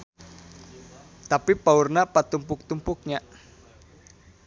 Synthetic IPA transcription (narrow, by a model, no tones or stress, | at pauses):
t̪apipaurnapat̪umpʊk̚t̪umpʊk̚ɲaʔ